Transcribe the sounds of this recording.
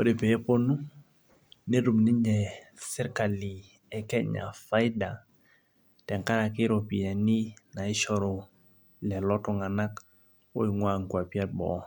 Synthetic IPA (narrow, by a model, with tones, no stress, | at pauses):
o˦de˨pɛ˨ɛ˦po˦nu˦ | ne˦ɾu˨mnɪ˦ɲɛ˨sɛ˦ɾka˨li˨ | ɛ˨kɛ˦ɲa̰˨fa˦jda˨ | tɛ˨ŋka˦ɾa˨kɪ˦ɾo˨pi˨a˨ni˦na˨ɪ˦ʃɔ˦ɾɔ˨ | lɛ˨lɔ˦tɔ˦ŋa˨na˦k | o˦i˨ŋwa˦ŋ̩˨kwa˨pi˦a˦tbɔ̰˨